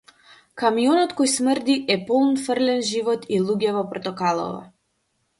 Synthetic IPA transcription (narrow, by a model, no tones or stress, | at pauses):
kamijɔnɔt̪kɔjsmərd̪iʔɛpɔlˠnfərlɛnʒivɔt̪ilˠuɟɛvɔpɾɔt̪ɔkalˠɔ̰va̰